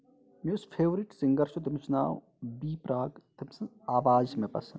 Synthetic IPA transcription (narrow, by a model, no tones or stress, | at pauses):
mespʰeːʋɾiʈsiŋɡɐɾʃot̪d̪ɐmsna̰ːw | biːpɾaːɡt̪imsɐ | aːʋaːzmẽpɐ̰s